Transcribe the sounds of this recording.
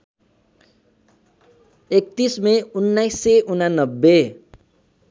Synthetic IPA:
ekt̪ismẽunːajsːeʔunanːʌbːe

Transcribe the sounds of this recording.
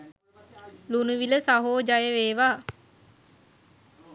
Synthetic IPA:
lunuʋiləsaɦoːd͡ʒajəʋeːʋaː

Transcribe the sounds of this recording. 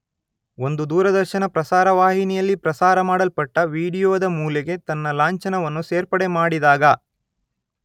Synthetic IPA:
o̞nd̪ud̪uːɾɐd̪ɐɾʃɐnɐpɾɐsaːɾɐʋaːɦinijɐlːipɾɐsaːɾɐmaːɽɐlpɐʈːɐʋiːɽijoːd̪ɐmuːleɡe̞t̪ɐnːɐlaːɲt͡ʃɐnɐʋɐnːuseːɾpɐɽe̞maːɽid̪aːɡɐ

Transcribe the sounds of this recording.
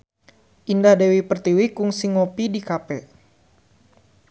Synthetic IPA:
ʔindahdewipərt̪iwikuŋsiŋopidikapɛ

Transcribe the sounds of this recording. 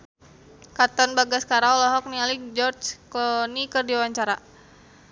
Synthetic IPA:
kat̪ɔnbaɡaskaɾalaɦɔk̚nialik̚d͡ʒɔrt͡ʃklɔnikərdiawaɲt͡ʃaɾa

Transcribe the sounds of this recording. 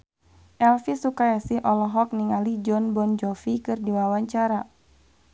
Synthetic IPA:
ʔɛlfisukajasihʔɔlɔɦɔk̚niŋalid͡ʒɔnbɔnd͡ʒɔfikɨrdiwawaɲt͡ʃaɾa

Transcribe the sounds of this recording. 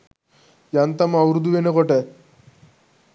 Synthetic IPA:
jant̪amawɾud̪uʋenekɔʈɛ

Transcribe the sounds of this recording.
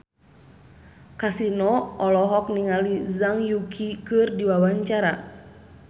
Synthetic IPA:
kasinɔɔlɔɦɔk̚niŋalizaŋjukʰikɨrdiwawaɲt͡ʃaɾa

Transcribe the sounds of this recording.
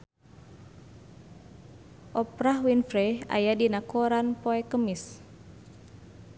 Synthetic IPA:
ʔɔpɾahwinfɾɛa̰jadinakoɾanpoɛkəmis

